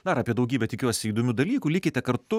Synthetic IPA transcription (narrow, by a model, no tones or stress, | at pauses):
d̪ɐɾɑːpʲiɛd̪ɐʊɡʲiːbʲɛt̪ʲɪkʲuɔsʲɪiːd̪oːmʲuːd̪ɐlʲiːkuːlʲɪkʲɪt̪ʲɛkɐɾt̪ʊ